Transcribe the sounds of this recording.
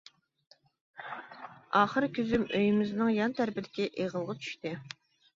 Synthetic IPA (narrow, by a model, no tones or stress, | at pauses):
ɑχəɾkʲʰyzymøjymɪznɪŋjɑnt̪ʰæɾpɪd̪ɪkʲiʔeʁəlˠʁɑt͡ʃʰy̥ʃt̪ɪ